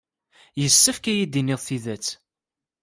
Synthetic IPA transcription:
jəsːəfkæjid̪inɪðˤθiðæt͡sː

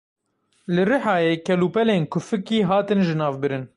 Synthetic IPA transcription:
lɨrɨħɑːjeːkʰɛluːpɛleːnkʰʊfɨkiːɦɑːt̪ɨnʒɨnɑːvbɨɾɨn

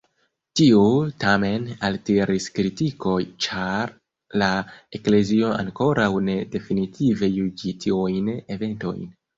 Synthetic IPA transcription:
tiutame̞nalteɾʔiskɾitiko̞jt͡ʃaɾ | lae̞kle̞zio̞a̰ŋko̞ɾawne̞de̞finitʰive̞jud͡ʒitʰiujne̞ve̞nto̞̰jn

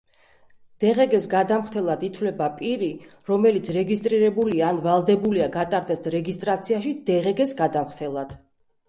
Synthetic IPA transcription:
d̪̥ɛʁɛɡɛsɡad̪amχt̪ʰɛlˠad̪it̪ʰwlɛbapʼiɾiɾɔmɛlit̪sʰɾɛɡist̪ʼɾiɾɛbuliaːnvalˠd̪ɛbuliaɡat̪ʼaɾd̪ɛsɾɛɡist̪ʼɾat̪sʰiaʃid̪̥ɛʁɛɡɛsɡad̪amχt̪ʰɛlˠad̪̥

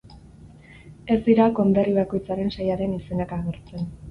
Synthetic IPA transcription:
e̞zd̪iɾako̞nd̪e̞riβ̞ako̞jt͡saɾe̞nsajaɾe̞nise̞nakaɣeɾt͡se̞n

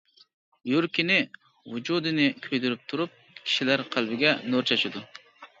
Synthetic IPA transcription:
juɾkʲinɪ | vud͡ʒud̪ɪnɪkʲʰøjd̪yɾyp̚t̪ʰuɾup̚ | kʲʰi̥ʃilæɾqʰælbɪɡʲɛnoɾt͡ʃʰɑʃɪd̪ʊ

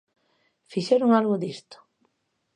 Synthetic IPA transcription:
fiʃeɾʊŋalɣʊd̪ist̪ʊ̥

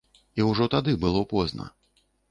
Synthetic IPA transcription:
iwʐɔt̪ad̪ɨbɨlˠɔpɔznɐ̰

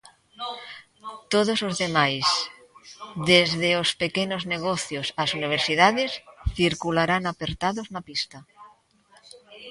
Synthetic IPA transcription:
t̪oðozozðemajs | ðezðeospekenozneɣ̞oθjosasuniβ̞eɾsið̞aðesθiɾkulaɾanapeɾt̪aðoznapist̪a

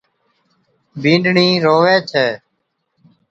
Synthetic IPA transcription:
bʱĩːɳɖɳiːɾoːʋeːt͡ʃʰeː

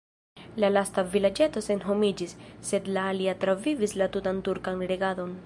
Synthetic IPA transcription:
lalastavilad͡ʒe̞to̞se̞nɦo̞mid͡ʒisːe̞dlaːliatɾavivislatutantuɾkanɾe̞ɡado̞n

